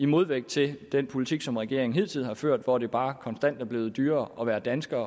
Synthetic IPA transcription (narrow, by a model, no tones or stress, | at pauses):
imo̝ð̞ˠʋeɡ̥̚t͡sʰe̝ld̥enpʰo̝lit͡sʰiɡ̥sɒ̽mʁɛɡ̥e̝̰ɐeŋ̩ɦe̝ð̰ˠt͡sʰið̰̩ˠhɑ̈føɐ̰d̥ʋɒd̥e̝b̥ɑ̈ːkʰɒ̽nsd̥æn̰d̥æɐb̥le̝ːð̞̩ˠd̥yːɐːɒ̽ʋæːɐd̥ænsɡ̥ɐː